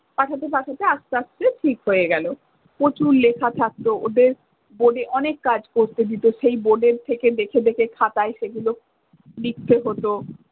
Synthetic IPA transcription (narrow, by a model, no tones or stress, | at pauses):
paʈʰat̪epaʈʰat̪eaʃt̪eaʃt͡ɕeʈʰikɦoeɡɛlo | pɾot͡ɕuɾlekʰat̪ʰak̚t̪oʔod̪eɾ | boɖeʔɔnekːad͡ʑkoɾt̪ed̪it̪oʃejboɖeɾt̪ʰeked̪ekʰed̪ekʰekʰat̪aeʃeɡulo | lik̚t̪eɦot̪o